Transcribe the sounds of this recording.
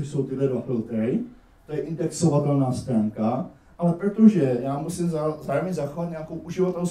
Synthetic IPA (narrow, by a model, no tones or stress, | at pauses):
oso̞wt̪ɪdlɛdvafɪlt̪ɾɪ | t̪ojɛʔɪndɛkso̞vat̪ɛlnaːst̪ɾaːŋka | ʔalɛpɾot̪oʒɛjaːmusimzazaːɾomɲɛzaxovat̪ɲaːko̞wʔuʒɪvat̪ɛls